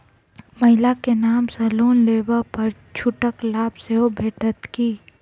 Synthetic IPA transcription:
mɐɦɪlakenaːmsɐluːnleːbəpɐɾt͡ʃʰʊʈəklaːbseɦobʱeːʈət̪kiː

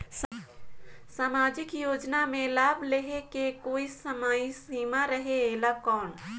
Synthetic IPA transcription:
s | saːmaːd͡ʒɪkjoːd͡ʒnamẽlaːbʱleɦekekoːisəmaisiːmaɾəɦeeːlakɔːn

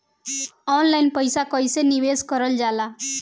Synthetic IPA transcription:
ɔnlainpəjsakɔjseniʋeskəɾəld͡ʒala

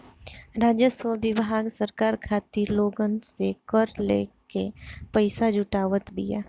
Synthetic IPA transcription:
ɾaːd͡ʒjəswəbɪʋɦaːɡsəɾkaːɾkʰaːt̪iloːɡənsekəɾlḛːkepəɪsad͡ʒʱʊʈaːʋət̪bʱia̰ː

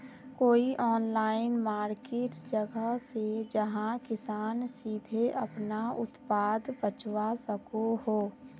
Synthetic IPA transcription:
koːiʔɔːnlaːɪnmaːɾkeːʈd͡ʒəɡəɦsed͡ʒəɦãkɪsaːnsiːd̪ʱeəpnaʊ̰t̪paːd̪bət͡ʃwasəkoɦoː

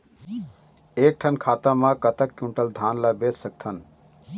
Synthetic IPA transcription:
eːk̚ʈʰənkʰaːt̪amãkət̪əkːũɳʈəld̪ʱaːnlabeːt̪sək̚t̪ʰən

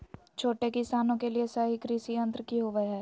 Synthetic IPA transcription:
t͡ʃʰoːʈekɪsaːnõkeliesɐɦikɾisiə̃nt̪ɾəkiɦoʋɐɦɛː

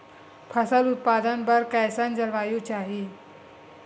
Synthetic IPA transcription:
pʰəsəlut̪̚pad̪ənbəɾkajsand͡zəɾʋajuːt͡ɕaɦi

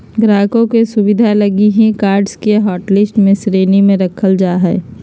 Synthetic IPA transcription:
ɡɾaːkõkesʊbɪd̪ʱalɐɡiɦɛ̃kaːɾɖskeɦɔːʈlɪsʈmẽsɾeːnimẽɾɐkʰəld͡ʒaːɦɛ̰ː

